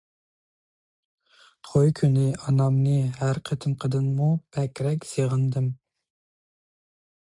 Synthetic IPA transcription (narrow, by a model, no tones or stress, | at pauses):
t̪ʰojkʲʰynɪʔɑnɑmnɨɦæɾqʰət̪ʰɪmqʰəd̪ɨnmub̥ʰɛkʲɾɛkʲseʁɨnd̪ɨm